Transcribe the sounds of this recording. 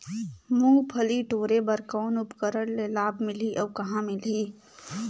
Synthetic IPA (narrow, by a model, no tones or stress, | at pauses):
mʊ̃ŋɡpʰəliʈoːɾebɐɾkɔːnʊpkəɾəɽlelaːbmɪliʔɔːkɐɦãmɪliː